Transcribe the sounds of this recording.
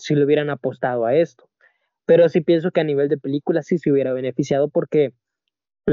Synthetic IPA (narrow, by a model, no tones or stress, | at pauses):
sileuβje̞ɾanapo̞st̪að̞oae̞st̪o̥ | pe̞ɾo̞sipje̞ns̬o̞ke̞aniβ̞e̞ld̪e̞pe̞likulasiseuβje̞ɾaβe̞ne̞fisjað̞o̞po̞ɾke̞ | l